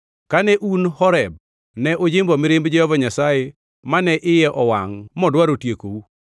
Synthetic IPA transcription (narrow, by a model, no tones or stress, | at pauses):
kanɛʔunhɔɾɛb̚ | nɛʔod͡ʒɪmbɔmɪɾɪmbd͡ʒɛhɔvaɲasaje | manɛʔɪjɛʔɔwa̰ŋmɔdwaɾotjekou